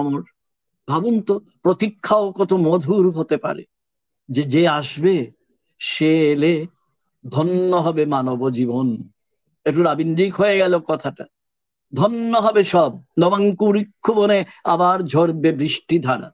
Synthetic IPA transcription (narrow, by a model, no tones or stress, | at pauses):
ɔmoɾ | bʱabunt̪o | pɾot̪ikʰːaokɔt̪omɔd̪ʱuɾɦot̪epa̰ɾḛ | d͡ʑed͡ʑeaʃbe | ʃeele | d̪ʱɔnːoɦɔbemanobod͡ʑibon | ek̚ʈuɾabinɖikɦoeɡɛlokɔt̪ʰaʈa | d̪ʱɔnːoɦɔbeʃɔb̚nɔbaŋkuɾikʰːubonea̰baɾd͡ʑʱoɾbebɾiʃʈid̪ʱaɽa̰